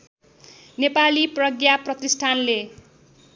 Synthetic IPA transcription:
nepaliprʌɡjaprʌt̪isʈʰanle

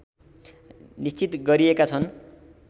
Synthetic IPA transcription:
nist͡sit̪ɡʌɾiekat͡sʰʌn

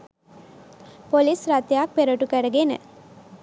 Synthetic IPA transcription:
polisrat̪jak̚peɾoʈukæɾəɡenə̰

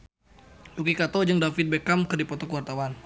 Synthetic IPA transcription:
dukikat̪ɔd͡ʒɨŋdafit̪̚bekamkɨrdipɔt̪ɔkəwart̪awan

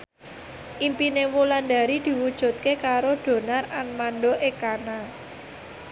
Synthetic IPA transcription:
ʔimpinewuland̪a̤ɾid̪̥i̤wud̥ʒ̥ṳt̪̚kekaɾoɖ̪̥o̤naranmanɖoʔekana

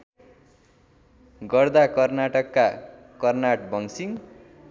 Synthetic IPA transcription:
ɡʌrd̪akʌrnaʈʌkːa | kʌrnaʈbʱʌŋsiŋ

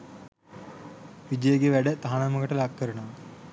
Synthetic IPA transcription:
ʋid͡ʒəjəɡeʋæɖət̪aɦanaməkəʈəlɐkːəɾunoʋ

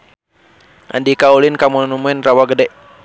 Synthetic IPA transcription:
ʔa̰ndikaulinkamunumuɛnrawaɡədɛʔ

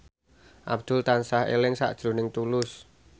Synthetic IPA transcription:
ʔa̰b̚d̪̥ʊ̤lt̪ansahḛlɪŋsa̰ʔd̥ʒ̥ɾo̤nɪŋt̪ulʊs

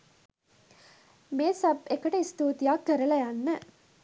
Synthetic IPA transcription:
meːsɐbɛkːɐʈeɪst̪uːt̪ijaːkːɐɾɐlɐjanːɐ

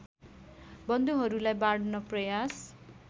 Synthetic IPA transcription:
bʌnd̪uɦʌɾulajbaɽnʌprʌjas

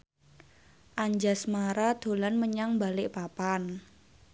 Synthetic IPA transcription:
ʔaɲd͡ʒasmaɾad̪̥o̤lanməɲaŋbalɪʔpapan

